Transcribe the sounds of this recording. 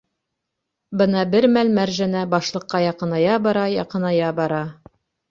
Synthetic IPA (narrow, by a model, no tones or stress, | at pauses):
bɤnɑbɘɾmælmæɾʒænæbɑʃlˠɤ̆qːɑjɑqɤ̆nɑjɑbɑɾɑjɑqɤ̆nɑjɑbɑɾɑ